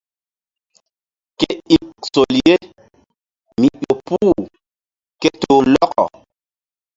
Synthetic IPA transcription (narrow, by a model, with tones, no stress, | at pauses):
ke˦i˦˨kso˨lje˦ | mi˨ʔo˨puː˦˨ | ke˦toː˨lɔ˦kɔ̰˨